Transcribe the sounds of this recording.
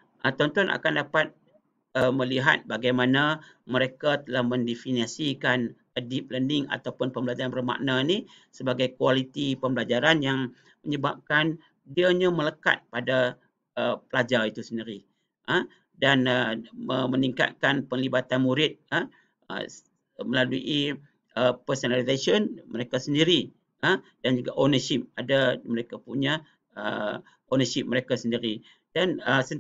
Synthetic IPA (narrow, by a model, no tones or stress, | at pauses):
ʔət̪ɔnt̪ɔnʔa̰kandapat̪̚ | əməliɦa̰t̪̚baɡajmana | məɾekat̪əlahmə̃ndefiniasikan | adɪp̚ləndɪŋa̰t̪awpʊnpəmbəlad͡ʒaɾanbəma̰ʔnani | səbaɡajkualit̪ipəmbəlad͡ʒaɾanjaŋ | məɲəbap̚kan | diaɲamələka̰t̪̚pada | əpəlad͡ʒait̪usəndiɾi | ə | danəməməniŋka̰t̪̚kanpəŋlibat̪anmuɾɪt̪̚ə | ə̰ | məlaluʔi | əpəsənalizesənməɾekasəndiɾi | ədand͡ʒuɡaʔonəʃɪp̚adaməɾekapuɲa | ə̰ | onəʃɪp̚məɾekasəndiɾi | danəsə